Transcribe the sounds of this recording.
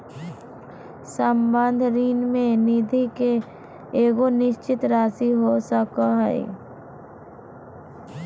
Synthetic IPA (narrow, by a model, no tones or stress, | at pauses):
səmbə̃nd̪ʱɾiːnmẽnid̪ʱike | eːɡonɪʃt͡ʃɪt̪ɾaːsiɦosəkaɦɛḛ